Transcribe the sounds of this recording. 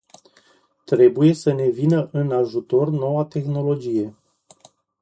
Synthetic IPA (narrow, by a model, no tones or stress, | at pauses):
t̪ɾe̞buje̞səne̞vinəʔɨnaʒut̪o̞rno̞wat̪e̞xno̞lo̞d͡ʒije̞